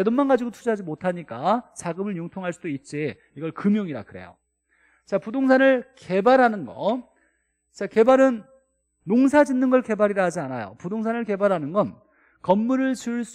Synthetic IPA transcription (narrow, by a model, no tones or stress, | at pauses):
edonmanɡad͡ʑiɡotʰud͡ʑɦad͡ʑimotʰaɲik͈at͡ɕaɡɯmɯɭjoŋtʰoŋɦaɭs͈udoit̚t͡ɕ͈e | iɡʌɭkɯmjoŋiɾa̰kɯɾe̞̰jo̰ | t͡ɕapudoŋsʰanɯɭke̞baɾɦanɯnɡʌ̰ | t͡ɕake̞baɾɯnː | oŋsʰad͡ʑinːɯnɡʌɭke̞baɾiɾaɦad͡ʑianajo̰pudoŋsʰanɯɭke̞baɾɦanɯnɡʌn | kʌmːuɾɯɭt͡ɕɯɭs͈